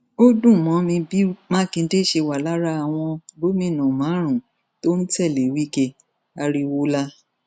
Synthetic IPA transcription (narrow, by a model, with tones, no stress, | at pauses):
o˦dũ˦˨mɔ̃˨˦mĩ˧bi˦mã˦kĩ˧n̩˦de˦˨ʃe˧wa˨la˦ɾa˦a˨w̃ɔ̃˧bo˨˦mĩ˧˦˨nũ˨mã˨˦ɾ̃ũ˨ | to˦n̩˦tɛ˦˨le˨wi˦ke˧ | a˧ɾi˧wo˦la˦